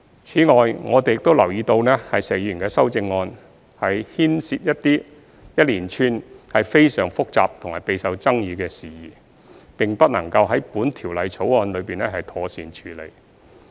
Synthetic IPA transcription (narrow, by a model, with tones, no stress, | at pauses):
t͡sʰiː˨˥ŋɔː˨jŋɔː˨˧t̪e˨jɪ˨k̚t̪o˥wlɐ˨˩wjiː˨˧t̪o˧wnɛː˥hɐ˨jse˨˩jyː˨˩nkɛː˧sɐ˥wt͡sɪ˧ŋːɔː˧n | hɐ˨jhiː˥nsiː˧t̚jɐ˥t̚t̪iː˥ | jɐ˥t̚liː˨˩nt͡ʃʰyː˧nhɐ˨jfe˥jsœː˨˩ŋfʊ˥k̚t͡sa̰ː˨p̚t̪ʰʊ˨˩ŋha̰ː˨˩jpe˨˧jsɐ˨wt͡sɐ˥ŋjiː˧kɛː˧siː˨jiː˨˩ | pɪ˨ŋpɐ˥t̚nɐ˨˩ŋkɐ˧wɦɐ˨˥jpuː˨˥nt̪ʰiː˨˩wlɐ˨˧jt͡sʰo˨˥wɔː˧nlɵ˨˧ɥpiː˨nɛ˥ɦɐ˨jt̪ʰɔː˧siː˨˧nt͡ʃʰyː˨˥lḛ˨˩j